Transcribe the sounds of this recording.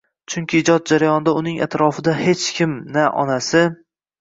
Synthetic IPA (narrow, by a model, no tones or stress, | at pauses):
t͡ʃʰʊŋkʲʰɪɪd͡ʒɒt̪̚d͡ʒaɾajɒnɪd̪aʊnɪŋa̰t̪ɾɒfɪd̪ahe̞t͡ʃkʲʰɪmnaʔɒ̰nasɪ